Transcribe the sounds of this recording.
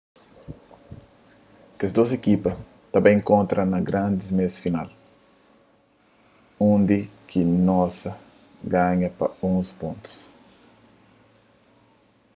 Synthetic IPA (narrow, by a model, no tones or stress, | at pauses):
kesd̪osekipɐ | t̪ɐbɐĩŋkõnt̪ɾʔɐnɐɡɾãnd̪ismesfinal | õnd̪ikinɔsɐ | ɡaɲɐpɐõspõnt̪u̥s